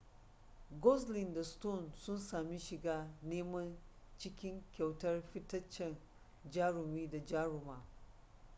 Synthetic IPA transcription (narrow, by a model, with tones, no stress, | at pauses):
ɡɔ˦slɪ˨nda˨sto˦˨nsʊ˦nsaː˨mi˦ʃɪ˨ɡaː˦neː˦mɐ˦n | t͡ʃɪ˦kʲɪ˦ŋkʲa˨wtɐ˦rɸɪ˦tɐ˦t͡ʃːɛ˨n | d͡ʒaː˦ɽʊ˨miː˦da˨d͡ʒaː˦ɾʊ˨maː˨